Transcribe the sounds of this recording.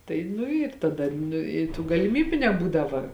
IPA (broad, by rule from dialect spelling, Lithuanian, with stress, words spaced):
tɐɪ ˈnʊ ɪr tɐˈdɐ ˈnʊ ɪ tuː ɡɐlʲɪˈmʲiːbʲʊ nʲɛˈbuːdɐʋɐ